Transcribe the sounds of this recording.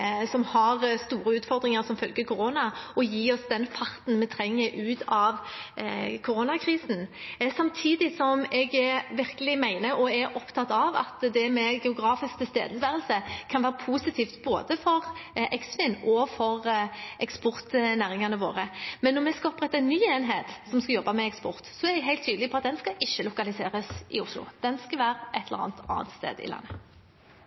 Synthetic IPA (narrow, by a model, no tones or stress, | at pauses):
sɔmhɑʁst̪uːɾəʉːt̪fɔɾd̪ɾɪŋəɾsɔmfœlɡəkʰʊɾoːnɑɔjiːɔsd̪ɛnfɑɾt̪n̩mɛt̪ʰɾɛŋːəʔʉːt̪ɑʋ | kʰʊɾoːnɑkʰɾiːsn̩sɑmt̪ʰiːd̪ɪsɔmɛɡɛʋɪɾkəlɪmæɪnəʔɔɛɾʔɔpt̪ʰɑt̪ːɑʋɑ̰t̪d̪ɛmɛɡɛʊɡɾɑːfɪskt̪əst̪ḛːd̪əsʋæːʁəlsəkʰɑnʋæːʁɾəpʰuːsɪt̪ʰiːft̪boːd̪əfɔʁʔɛksfɪnʔɔfɔʁʔɛkspʊʁt̪næːʁɪŋɑnəʋo̰ːʁəmɛnːɔmɛskɑɔpʁɛt̪ːɑɛnːyːeːnɦeːt̪sɔmskɑjɔbːɑmɛɛkspɔʁt̪sɔɛʁd̪ɛɦæɪlt̪ʰːyːd̪əlɪpʰɔɑt̪̚d̪ɛnskɑʔɪʃːəlʊkɑlɪsḛːɾəsʔɪ̰ʊslʊ̰d̪̥ɛnskɑʋæːɾəʔɛt̪ʰɛləʁɑ̰ːnt̪ʰɑ̰ːnt̪st̪ḛːd̪ɪ̰lɑ̰nːə